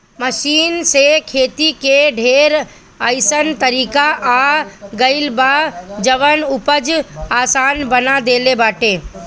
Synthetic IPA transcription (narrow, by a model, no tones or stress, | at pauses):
məʃiːnsekʰeːt̪ikeɖʱeːɾ | əɪsənt̪əɾiːkaʔaɡəɪlbad͡ʒəʋənʊpəd͡ʒaːsaːnbənad̪eːlebaːʈẽː